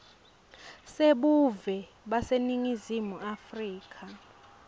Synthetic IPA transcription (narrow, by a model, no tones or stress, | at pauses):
seɓuvɛ | ɓaseniŋizimuʔafriːkʰa